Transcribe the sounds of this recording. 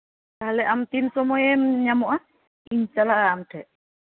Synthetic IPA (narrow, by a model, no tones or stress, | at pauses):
alɛʔamt̪insɔmɔjɛmɲamɔʔa | iɲt͡ʃalaːmdɛʔ